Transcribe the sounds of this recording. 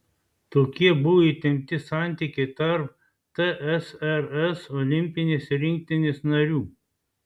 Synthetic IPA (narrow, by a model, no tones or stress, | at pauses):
t̪oːkʲiɛbʊʋoiːˑt̪ʲɪŋʲk̚t̪ʲɪsɑˑnʲt̪ʲiːˑkʲɛɪt̪ɐɾp̚ | t̪ɛʔɛsɛɾɛsɔːlʲɪmʲpʲɪnʲeːsɾʲɪŋʲk̚t̪ʲɪnʲesnɐɾʲuː